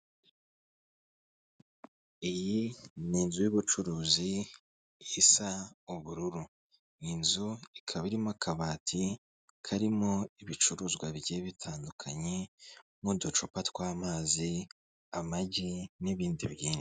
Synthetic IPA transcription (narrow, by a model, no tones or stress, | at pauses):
ijiniːnzujiβut͡ʃuɾuːzi | isauβuɾuɾu | ninzuikʰaβiɾimakaβaːtʰi | kʰaɾimo̞iβit͡ʃuɾuːzɡwaβɟeβitʰaːndukʰaɲe | mudot͡ʃopatwaːmaːzi | amaɟiniβiːndiβjiːne